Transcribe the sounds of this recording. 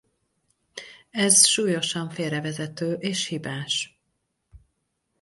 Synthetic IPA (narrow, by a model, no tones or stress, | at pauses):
ɛzʃuːjo̞ʃɒɱfeːɾɛvɛzɛt̪øːʔeːʃhibaːʃ